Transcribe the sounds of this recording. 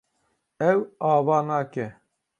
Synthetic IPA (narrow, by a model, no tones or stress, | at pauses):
ɛwaːvaːnaːkɛ